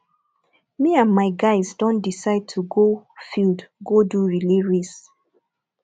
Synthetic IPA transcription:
miãnmaɪɡaɪzdɔ̃ndisaɪd̚tʰuɡofildɡoduɹiliɹis

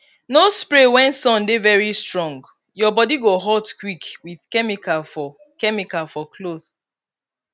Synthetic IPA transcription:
nospɹewɛ̃nsɔ̃ndevɛɹistɹɔ̃ŋɡ | jɔbɔdiɡoɦɔtkwikwið̥kɛmikalfɔ | kɛmikalfɔkʰloð

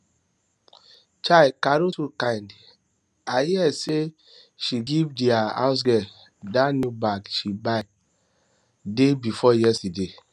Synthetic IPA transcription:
t͡ʃaɪkaɾotukãɪ̃nd | ahiɛse | ʃiɡivdiaa̰ʊs̬ɡɛ | danjubakʃibaɪ | debifɔjɛstide

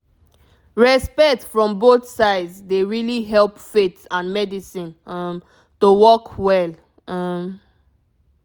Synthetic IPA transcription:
ɹɛspɛktfɹɔ̃mboθsaɪdsdeɹiliɦɛlpfetãnmɛdisĩnʌm | towɔkwɛl | ʌm

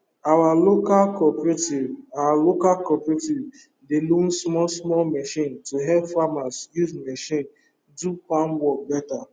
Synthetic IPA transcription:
awalokalkɔpɹetivawalokalkɔpɹitiv | delũnsmɔlsmɔmɛʃĩntuɦɛpfamasjuzmɛʃĩn | dupãnwɔk̚bɛta

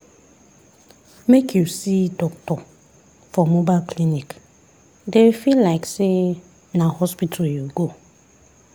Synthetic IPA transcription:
mekʰjusidɔktɔ | fɔmobalkʰlinik | dewfillaɪkse | nahɔspitʰaljuɡo

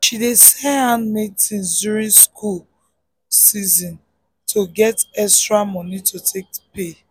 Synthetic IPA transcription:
ʃidesɛ̃nhãnmetĩnsduɹĩnskʰul | sizɔ̃n | tʰoɡɛtɛstɹamɔ̃nitʰotʰek̚pe

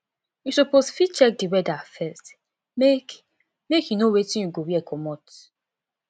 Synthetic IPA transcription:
jusoposfit͡ʃɛk̚diwɛdafɛst | mek | mekjunowetĩnjuɡowiɛkʰɔmɔt

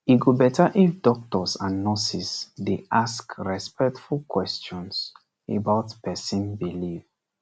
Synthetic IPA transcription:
iɡubɛtʰaʔifdɔk̚tɔsãnːɔsisdeʔaskɹɛspɛk̚tfulˠkʰwɛst͡ʃɔ̃ns | ḛbaʊtpɛsĩnbiliv

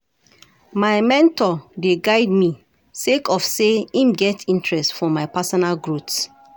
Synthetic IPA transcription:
maɪmɛ̃ntɔdeɡaɪd̚mi | sekɔfseĩmɡɛtʰĩntɹɛstfɔmaɪpasɔnalɡɹuts

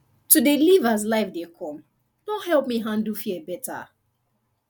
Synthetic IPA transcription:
tudelivazlaɪfdekʰɔ̃m | nɔhɛlˠp̚miɦãndl̩fiɛbɛta̰

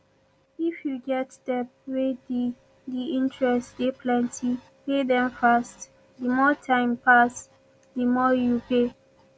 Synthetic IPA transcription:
ifjuɡɛtdɛp̚wedi | diĩntɹɛstdepʰlɛ̃ntʰi | pedɛ̃mfast | dimɔtʰãɪ̃mpas | dimɔjupe

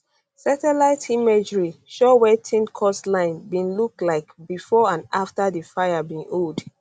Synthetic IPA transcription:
satɛlaɪtʰimed͡ʒɹiʃɔwɛtʰĩnkʰɔslãɪ̃nbĩnluk̚tlaɪkbifɔãnaftadifaɪjabĩnold

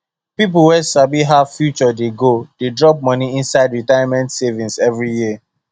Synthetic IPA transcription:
pip̬uwɛsabiɦav̥fjut͡ʃɔdeɡod̥edɹɔp̚mɔ̃niĩnsaɪdɹitajamɛ̃ntsevĩnsɛvɹijiə

